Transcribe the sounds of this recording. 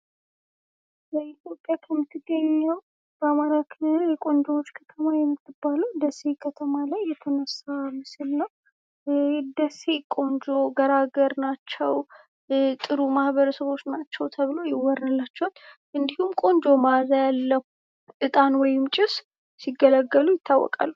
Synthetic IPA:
bəʔit̪jo̞pʼjakʰəmːɨt̪ʰːɨɡːəɲːəw | bəamaɾakʰɨljɛkʼo̞nd͡ʒowot͡ʃːkʰə̥t̪ʰəmajɛmːɨt̪ʰːɨbːaluwd̪əse̞kʰət̪ʰəmalajːɛt̪ʰənəsːamɨsɨlnəw | d̪əse̞kʼo̞nd͡ʒo̞ɡəɾaɡəɾnat͡ʃːɛw | t̪ʼɨɾumahbəɾəsəβo̞t͡ʃːnat͡ʃːɛwt̪ʰəβɨlo̞jɪwɔɾnɨlːat͡ʃːɛhot̪ː | ʔɨnd̪ihumkʼo̞nd͡ʒo̞mazajalːəu | ʔɨt̪ʼanwɔjɪmt͡ʃʼɪs | siɡːələɡːəlujɪt̪ʰːawːɔ̰kʼa̰lːu

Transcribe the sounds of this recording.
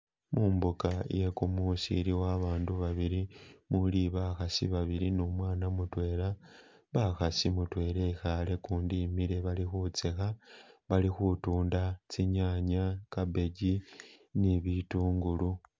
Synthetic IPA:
mʔuːmbukaje̞kumusḭɾiwaβaːnduβaβiɾimuliβaxasḭβaβiɾinumwaːnamutwe̞ːla | βaxasimutwe̞ːle̞ixale̞kuːndimiɾe̞βalixut͡sexaβalixutuːndat͡siɲaːɲakabe̞ɟiniβituːŋɡulu

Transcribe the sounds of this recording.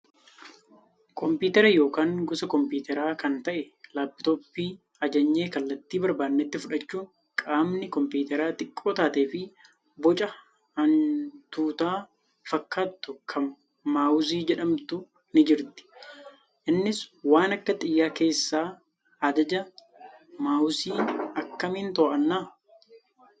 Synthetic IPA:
kʰɔmpiːt̪ɛɾɐjo̞ːkaːŋɡʊsɐkɔmpiːt̪ɛɾaːkɐnt̪ɐʔɛ | laːbɪt̪oːpːiː | ɐd͡ʒɐɲːe̞ːkɐlːɐt̪ːiːbɐɾbaːnnːɛt̪ːɪfʊᶑɐt͡ʃːuːŋ | kʼaːmnɪkɔmpiːt̪ɛɾaːt̪ʼɪkʼːoːt̪aːt̪e̞ːfɪ | bɔt͡ʃʼɐ | hɐnt̪uːt̪aː | fɐkːaːt̪ːʊkʰɐmː | aːʊs̬iːd͡ʒɛᶑɐmt̪ʊ | nɪd͡ʒɪɾt̪ɪ̥ | ʔɪnːɪswaːnɐkːɐt̪ʼɪjːaːke̞ːsːaː | ɐd̪ɐd͡ʒɐ | maːʊsiːɐkːɐmɪnt̪ɔːʔɐnːaː

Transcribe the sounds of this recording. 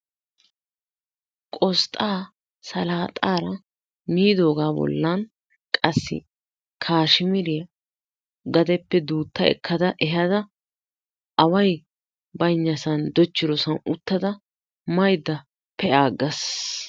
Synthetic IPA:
kʼɔst̪ʼaː | sɐlaːt̪ʼaːɾɐ | miːd̪o̞ːɡaːbɔ̰lːɐn | kʼɐsːɪ̰ | kʰaːʃɪmɪɾɪjɐ | ɡɐd̪ɛpːɛd̪uːt̪ːɐɛ̰kʰːɐd̪ɐʔɛɦɐd̪ɐ | ʔɐwɐj | bɐjɲːɐsɐnd̪ɔt͡ʃːɪɾɔsɐnʊt̪ːɐd̪ɐ | mɐjd̪ːɐ | pʰɛʔaːɡːɐs

